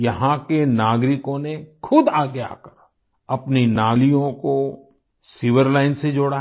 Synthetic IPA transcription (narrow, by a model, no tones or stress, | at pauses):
jɐɦãkenaːɡɾɪkõnekʰʊd̪aːɡea̰ːkəɾ | ɐpninaːlijõko | siːʋəɾlaːɪnsed͡ʒoːɽa